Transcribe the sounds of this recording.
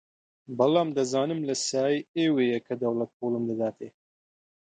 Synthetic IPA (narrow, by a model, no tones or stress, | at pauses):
bɐlaːmd̪ɐzaːnɨmlɐsaːieːweːjɐkʰɐd̪ɐwlɐt̪̚hoːlɨmd̪ɐd̪aːt̪ʰeː